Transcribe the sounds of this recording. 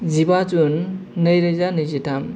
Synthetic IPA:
zibat͡sunːəjɾɯjzanɯjzitam

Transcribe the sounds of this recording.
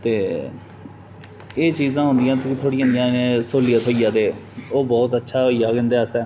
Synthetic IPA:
t̪eː | eːt͡ʃiːzãːɦʊ̃nd̪ijãːt̪ːkt̪ʰoːɽɪjãːnd̪ijãːnẽːsoːlijaːt̪ʰoːijaːt̪eːoːbɔːt̪ətːʃʰaːɦoːijaːkə̃nd̪eːast̪ɛː

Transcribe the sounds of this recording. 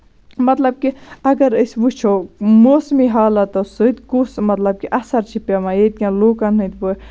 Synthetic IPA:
mɐt̪lɐb̚kiɐɡɐɾəsʋut͡ʃʰomoːsmiɦaːlɐt̪ɐsɨt̪kusmɐt̪lɐb̚kiʔɐsɐɾt͡ʃʰipamajet̪̚kʲãloːkɐnɦɨ̃t̪bu

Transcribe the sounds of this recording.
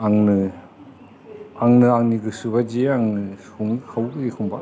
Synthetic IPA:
aŋnɯ | aŋnɯaŋniɡɯsuβad͡ʒeaŋnɯsuŋɯkʰawdɯekʰumba

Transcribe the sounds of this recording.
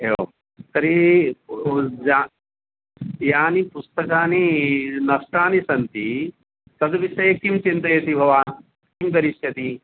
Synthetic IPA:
eo̰ | sɐɾi | d͡ʒa | jaːnipust̪ɐkaːninɐʂʈaːnisɐnt̪i | t̪ɐd̪ɐʋisɐjɐkimt͡ʃint̪ɐjɐt̪ibʱɐʋaːn | kimpɐɾiʃjɐt̪i

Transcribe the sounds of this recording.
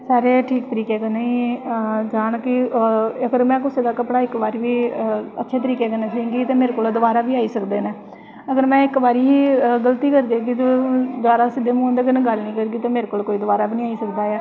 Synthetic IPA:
saːɾeːʈʰiːk̚t̪əɾiːkeːkəneːiːd͡ʒaːnkɪəɡəɾmɛ̃ːkʊseːd̪aːkəpɽaːɪkbaːɾiːʋiːə̰tːʃʰeːt̪əɾiːkeːkənːeːt͡ʃaːĩŋɡiːt̪eːmeːɾekoːloːd̪ʊbaːɾaːbiːaːiːsəkd̪eːnɛ̃ː | əɡəɾmɛ̃ːɪkbaːɾiːɦiːɡəlt̪iːkəɾd̪eːɡit̪od̪ʊʋaːɾaːsɪd̪eːmũːõːnd̪eːkəneɡəlnĩːkəɾɡiːt̪õːmeːɾeːkoːlkoːiːd̪ʊʋaːɾaːbiːnĩːaːiːsəkd̪aːjaː

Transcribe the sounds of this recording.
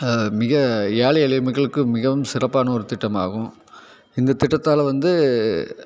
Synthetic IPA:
mɪɣɐjaːɭɪɐlɪmɪkːɐɭɯkːɯmɪɣɐʋʊmsɪrɐpːaːnɐɔɾɯt̪ɪʈːɐma̰ːɣʊ̃ | ɪnd̪ɐt̪ɪʈːɐt̪ːaːlʋɐnd̪ɯ

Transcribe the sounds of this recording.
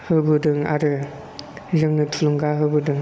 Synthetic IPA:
hɯbɯdɯŋaɾɯ | zɯŋnɯtʰuluŋɡaɦɯbɯdɯŋ

